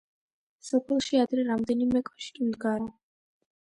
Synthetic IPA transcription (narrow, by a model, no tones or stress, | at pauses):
sɔpʰɛlˠʃiad̪ɾɛɾamd̪ɛnimɛkʼɔ̥ʃi̥kʼimd̪ɡaɾa